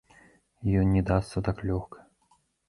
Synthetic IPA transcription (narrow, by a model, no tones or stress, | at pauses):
jɔnnʲːɛd̪ast̪sɐt̪aklʲɔxkʰɐ̥